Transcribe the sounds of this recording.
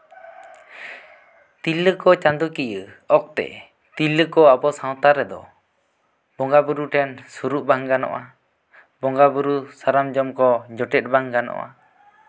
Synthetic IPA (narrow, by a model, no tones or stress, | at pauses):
t̪ilːəkɔt͡ʃand̪ukijə | ɔk̚t̪ɛ̰ | t̪ilːəkɔabɔsaw̃t̪aɾɛd̪ɔ̰ | bɔŋɡabuɾuʈʰɛnsuɾuʔbaŋɡanɔ̰ʔa | bɔŋɡabuɾusaɾamd͡ʒɔmkɔd͡ʒɔʈɛt̪̚baŋɡanɔ̰ʔa̰